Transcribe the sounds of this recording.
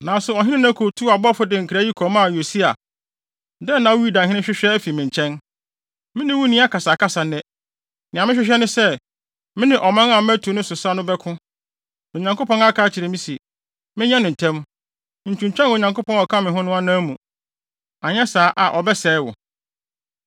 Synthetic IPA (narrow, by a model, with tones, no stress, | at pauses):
nã˨˦sʊ˨ɔ˨ɦɪ̃˦nɪ̃˦ñ˦ã˦kʰo˨tʰu˦a˨bɔ˦fʊ˦dɪ˨ŋ̩˨kʰɾa˦i˦kʰɔ˨ma˨jo˨si˦a˨ | dɛ˦nã˨˦wi˦da˨ɦɪ̃˦nɪ̃˦ɕᶣɪ˦ɕᶣɛ˦æ˦fi˨mɪ̃˨ɲ˨t͡ɕʰɛ̃˦n | mɪ̃˦nɪ̃˦wu˦nĩ˦a˦kʰa˨saː˨kʰa˦sa˨nɛ̃˦ | nɪ̃˨ã˨mɪ̃˦ɕᶣɪ˦ɕᶣɛ˦nʊ̃˦sɛ˦ | mɪ̃˦nɪ̃˨ʔɔ˨mã˦ŋã˨˦m˦æ˦tʰu˨nʊ̃˦sʊ˨sa˦nʊ̃˦bɛ˦kʰʊ̃˦ | o˨ɲã˨ŋko˦pɔ̃˦na˦kʰaː˦t͡ɕʰɪ˨ɾɪ˨mĩ˦si˨ | mɪ̃˦ɲɛ̃˦nɪ̃˨n̩˨tʰɛ̃˦m˦˨ | n̩˨t͡ɕʰũ˨ɲ˨t͡ɕᶣɛ̃˦no˨ɲã˨ŋko˦pʰɔ̃˦nɔ˨kʰa˦mɪ̃˨ɦʊ̃˦nʊ̃˦a˦nãː˦mũ˨ | a˨ɲɛ̃˦saː˨˦ʔa˨ʔɔ˨bɛ˦sɛː˨˦wʊ̰˨